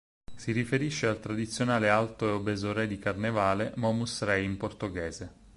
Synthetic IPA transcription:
sirifeɾiʃːealt̪ɾad̪it̪sːjonaːlealt̪oeobɛːzoɾɛd̪ikarnevaːlemɔmusrɛjimport̪oɡɛːze

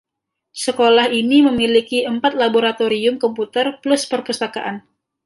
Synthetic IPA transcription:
səkolahiniməmilikiəmpat̪̚laboɾat̪oɾiʊmkɔmput̪ərplʊspərkəst̪aka̰ʔan

